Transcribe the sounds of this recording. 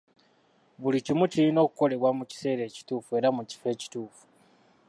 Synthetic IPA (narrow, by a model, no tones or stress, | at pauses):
βulicimucilino̞ːku̥ko̞le̞βwamuci̥se̞ːɾe̞ːci̥tuːfue̞ɾamuci̥fe̞ːci̥tuːfu̥